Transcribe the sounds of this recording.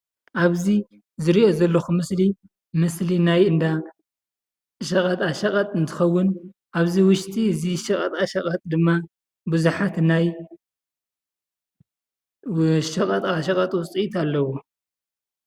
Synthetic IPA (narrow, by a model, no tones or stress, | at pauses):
ʔaβzi | zɨɾiʔo̞zɐlːɐxumɨsli | mɨslinajɨnd̪a | ʃɐkʼɐt̪ʼaʃɐkʼɐt̪ʼɨnt̪ʰɨ̥xɐwːʊn | ʔaβziwʊʃt̪ʼiɨziʃɐkʼɐt̪ʼaʃɐkʼɐt̪ʼd̪ɨmːa | bɨzuħat̪naj | ʃɐkʼɐt̪ʼaʃɐkʼɐt̪ʼwʊt͡sʼiʔit̪ʰalːɐwo